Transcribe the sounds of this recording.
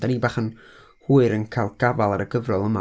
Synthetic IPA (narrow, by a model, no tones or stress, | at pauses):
d̥anibaːχən | huːɨɾənkʰajlˠɡ̥avalˠaɾəɡəvrɔlˠəma